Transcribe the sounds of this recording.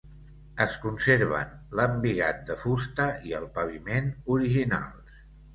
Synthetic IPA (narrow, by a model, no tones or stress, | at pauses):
əskunseɾβ̞ə̰nləmbiɣa̰t̪̚d̪əfust̪əiəlˠpəβ̞imenuɾiʒina̰lˠ